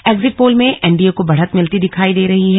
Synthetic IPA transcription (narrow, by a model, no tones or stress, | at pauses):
eːɡzɪʈ̚poːlmẽʔɛːɳɖiokobɐɽ̤ət̪mɪlt̪id̪ɪkʰaːid̪eːɾɐɦiɦɛː